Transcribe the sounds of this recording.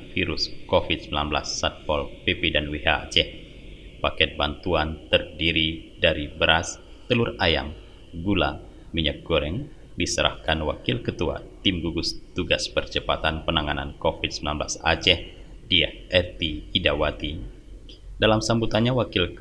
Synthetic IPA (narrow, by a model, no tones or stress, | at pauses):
fiɾuskofit̪̚səmilanbla̰sːat̪̚pɔlpepedanwiɦa̰a̰t͡ʃɛh | pakɛt̪̚bant̪uant̪ərdiɾi | daɾibəɾas | t̪əluraja̰m | ɡula̰ | miɲak̚ɡoɾɛŋ | disəɾʔa̰hkanwa̰kɪlkət̪ua̰t̪imɡuɡʊst̪uɡaspərt͡ʃəpat̪anpənaŋanankofit̪̚səmilanbla̰sa̰t͡ʃɛh | diahɛrt̪iidawat̪i | dalamsambut̪anɲawakɪlk